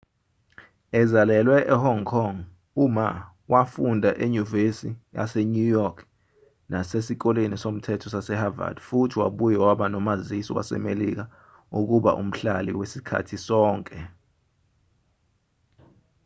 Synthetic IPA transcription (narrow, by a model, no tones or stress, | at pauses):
ɛzalɛlwɛʔɛhɔŋkʰɔŋ | uma | wʔafundʱaʔeɲuvesija̰sɛnujɔkʰ | nasesik̬ɔlenisom̩tʰɛtʰɔsasɛhava̰d̥futʰiwaɓujɛwaɓanɔmazisɔ̰wa̰sɛ̰melik̬a | uk̬uɓa̰ʔṵm̩ɬalḭwesikʰa̰tʰisɔːŋkʼɛ